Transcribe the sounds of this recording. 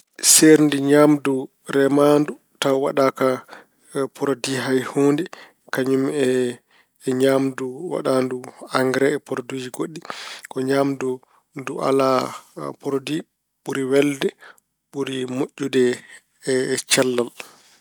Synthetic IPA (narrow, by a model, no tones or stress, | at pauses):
seɾndiɲamdu | ɾɛmandu | tawa̰ɗaːka | pʰɔɾodiɦajhoːndɛ | kaɲumɛ | ɲaːmduwa̰ɗaːnduaŋɡɾɛːpɔɾodud͡ʒiɡoɗːikɔɲaːmdu | nduʔa̰lapɔɾodi | ɓuɾiwɛldɛ | ɓuɾimoʔːudɛ | t͡ʃɛlːal